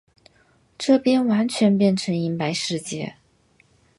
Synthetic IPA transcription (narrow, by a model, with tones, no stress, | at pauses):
ʈ͡ʂɤ˥˩pjɛ˥nwa˧˥nt͡ɕʰɥɛ˧˥npjɛ˥˩nʈ͡ʂʰɤ˧˥ŋi˧˥npa˧˥ɪʂɻ̩˥˧t͡ɕjɛ˥˩